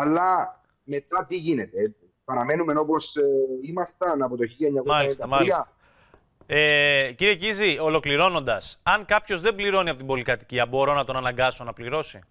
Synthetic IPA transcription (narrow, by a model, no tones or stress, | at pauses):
ɐlːɐ | me̞t̪ɐt̪iʝinet̪eeipɐɾɐme̞nume̞no̞po̞simɐst̪ɐnɐpot̪oçiʝeɲːɐkmɐlist̪ɐmɐlisɐst̪ɐ | eciɾiecizio̞lo̞kliɾo̞no̞nd̪ɐsɐŋkɐpço̞zðe̞mbliɾo̞niɐpo̞t̪ibo̞likɐt̪i̥ciɐbo̞ɾo̞nɐt̪o̞nɐnɐŋɡɐso̞nɐpliɾo̞si